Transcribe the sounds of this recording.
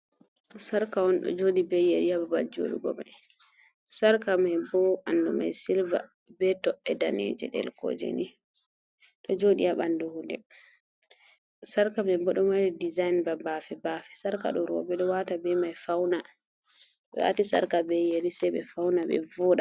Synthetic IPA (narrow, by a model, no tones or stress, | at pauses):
saɾkawɔnɗɔ̰d͡ʒoɗibejeɾiababald͡ʒo̰ɗiɡɔ̰ma̰j | saɾkamajbɔanduma̰jsilva̰ | bɛtɔʔɛdanḛd͡ʒɛ̰ɗɛ̰lkɔ̰d͡ʒḛni | ɗɔd͡ʒoɗiaɓanduhundɛ̰ | saɾkamɛbɔɗɔmadɛdizajnbabafɛbafɛsaɾka̰ɗɔɾɔ̰bɛɗɔwatabɛmajfawna | ɗɔ̰wa̰tisa̰ɾkabɛjeɾisɛbɛfawnaɓɛ̰vɔɗa